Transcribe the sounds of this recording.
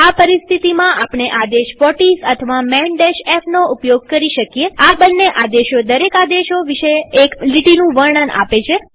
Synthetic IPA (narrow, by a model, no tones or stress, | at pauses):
apəɾist̪ʰit̪imãʔapɳ̃eʔad̪eʃʋɔʈisət̪ʰəʋamɛɳɖeʃɛpʰnoupjoɡ̚kəɾiʃəkjeabənːeʔad̪eʃod̪əɾekad̪eʃoʋiʃeekliʈinũʋəɾɳəna̰pet͡ʃʰe